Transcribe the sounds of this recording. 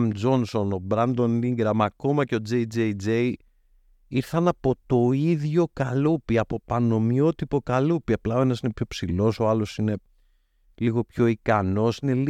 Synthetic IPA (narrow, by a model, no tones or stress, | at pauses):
md͡zo̞nso̞no̞bɾɐnd̪o̞niŋɡɾɐmɐko̞mɐce̞o̞d͡zejd͡zed͡zej | iɾθɐnɐpo̞t̪o̞iðʝo̞kɐlupiɐpo̞pɐno̞mio̞t̪ipo̞kɐlupiɐplɐo̞enɐsinepço̞psilo̞so̞ɐlo̞sine̞ | liɣo̞pço̞ikɐno̞sine̞l